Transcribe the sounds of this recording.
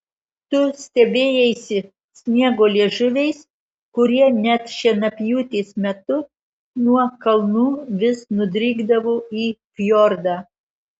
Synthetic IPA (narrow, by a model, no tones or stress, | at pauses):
t̪ʊsʲt̪ʲɛbʲeːjɛɪsʲɪ | sʲnʲiɛɡoːlʲiɛʒʊʋʲɛɪs | kʊɾʲiɛnʲɛt̪ʃʲɛnɐpʲjuːt̪ʲeːsmʲɛt̪ʊ | nuɔkɐlˠnuːʋʲɪsnʊd̪ʲɾʲiːɡd̪ɐʋoːiːkʲjoːɾd̪ɑː